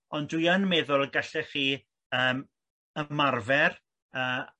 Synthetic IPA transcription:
ɔndwiənmɛðʊlˠɡaɬɛχiː | əːm | əmarvɛr | əː

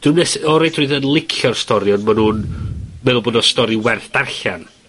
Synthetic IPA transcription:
d̥unɛsɔɾejtʰruɨðənlˠɪkʰjɔrstɔɾɪɔndmanhuːnmɛðˠʊlˠbɔdnɔ̥stɔɾɪwɛrθd̥arɬan

